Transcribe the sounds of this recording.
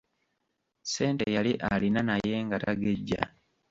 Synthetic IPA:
se̞ːntejaliʔalinanaje̞ŋɡataɡe̞ɟːa̰

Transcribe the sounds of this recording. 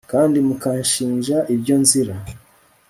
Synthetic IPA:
kaːndimukanʃiːnʒaʔibjo̞nziɾa

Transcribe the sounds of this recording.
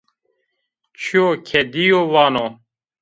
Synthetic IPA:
t͡ɕʰiokʰɛd̪ijowaːnoː

